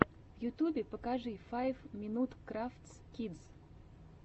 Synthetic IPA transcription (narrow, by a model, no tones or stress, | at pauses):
vjut̪ʲubʲɪpəkaʐɨjfajvmʲinut̪kɾaft̪s | kʲid̪z̥